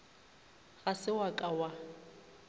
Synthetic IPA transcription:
ɣasɪwakʼawa

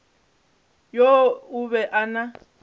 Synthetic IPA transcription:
jouβɛʔana

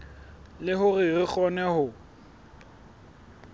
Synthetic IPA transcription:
lɪɦʊrɪrɪk͡xɔnɛhʊ

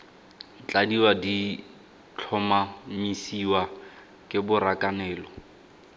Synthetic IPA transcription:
t͡ɬʼadiwadi | t͡ɬʰɔmamisiwa | kʼɪbʊɾakʼanɛːlɔ

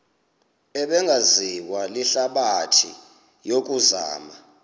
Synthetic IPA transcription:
ɛɓɛŋɡʱaziwaliɬaɓatʰḭ | jok̬ʼuza̰ːma

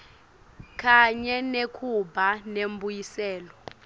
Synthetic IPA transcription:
kʰʼaɲɛnekʰubʱanembujisɛːlɔ

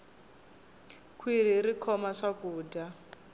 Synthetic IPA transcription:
kʰwiɾ̤irikʰɔmaʂakuːda

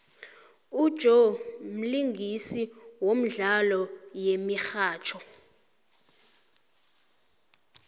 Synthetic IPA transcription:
ud̥ʒ̥ʱom̩liŋɡʱisiwom̩ɮalɔjemixaːt͡ʃʰɔ

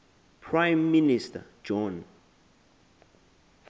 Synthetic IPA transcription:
pʰɹajmːinista̰d͡ʒɔ̃n

